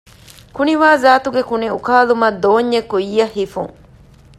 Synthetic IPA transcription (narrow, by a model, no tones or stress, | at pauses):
kuniʋaːzaːt̪uɡekuniukaːlumɐd̪oːɲːekːuiːɐhːifṵŋ